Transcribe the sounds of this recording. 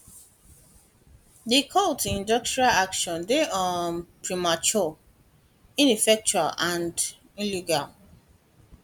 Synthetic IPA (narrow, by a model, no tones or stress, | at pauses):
dikʰɔltĩndɔk̚tɹialakʃɔ̃ndeɔnpɹimat͡ʃɔ | ĩnifɛk̚t͡ʃua̰lãnd | ĩliɡal